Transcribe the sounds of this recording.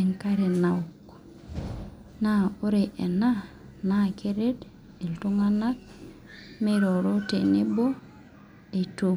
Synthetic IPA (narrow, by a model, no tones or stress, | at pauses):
eŋkaɾenauk | naoɾeʔena | nakeɾed | eltuŋanat̚ | meɾoɾotenebo | eto